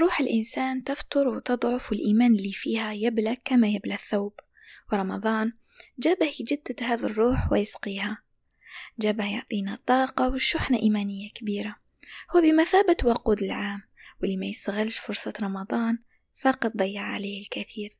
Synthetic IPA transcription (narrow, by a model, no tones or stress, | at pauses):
ɾˤuːħɪlʔɪnsaːnt̪ɪft̪ʊɾwt̪ɨd̪ˤʕʊfwɪlʔiːmaːnɪlːifiːhajɪblakamajɪblaθːawb | wɾˤɑmɑd̪ˤɑːn | d͡ʒaːbahd͡ʒɪd̪ːhaːðarˤːuːħwɪjɪsqiːha | d͡ʒaːbahjʊʕt̪ˤiːnat̪ˤːɑːqɑwɪʃʊħnaʔiːmaːnɪjːakbiːɾa | hʊːbɪmaθaːbɪt̪wɑquːd̪ɪlʕaːm | wɪliːmajɪst̪aɣɪlʃfʊɾsˤɑɾˤɑmɑd̪ˤɑːn | fɑqɑt̪̚ˤd̪ˤɑjːɑʕʕa̰leːhɪlkaθiːɾ